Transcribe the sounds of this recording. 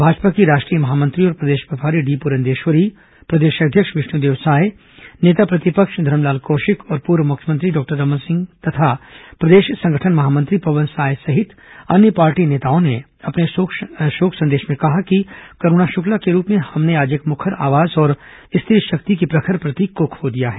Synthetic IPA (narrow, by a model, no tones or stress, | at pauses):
bʱaːd͡ʒpakiɾaːʃʈɾijəmɐɦaːmɐ̃nt̪ɾiɔːɾpɾɐd̪eːʃʋɐpaːɾiɖiːpuɾə̃nd̪eːʃʋəɾi | pɾɐd̪eːʃɐd̪ʱjəkʃʋɪʃnud̪eːʋsaːj | neːt̪apɾɐt̪ɪpəkʃd̪ʱɐɾəmlaːlkoːʃɪkɔːɾpuːɾʋəmʊkʰjəmə̃nt̪ɾiɖɔːk̚ʈəɾːɐmənsɪ̃ŋɡt̪ɐt̪ʰapɾɐd̪eːʃsɐ̃ŋɡʱəʈʰənmɐɦaːmɐ̃nt̪ɾipɐʋə̃nsaːjsɐɦɪt̪ | ɐnjəpaːɾʈineːt̪aːõne | ɐpneʃoːkʰsɐ̃nd̪eːʃmẽkɐɦakikɐɾuːnaʃʊklakeɾuːpmẽhɐmneaːd͡ʒeːkmʊkʰəɾa̰ːʋaːzɔːɾ | ɪst̪ʰɪɾʃɐk̚t̪ik̬ipɾɐkʰəɾpɾɐt̪ikʊkʰːod̪ijaɦɛː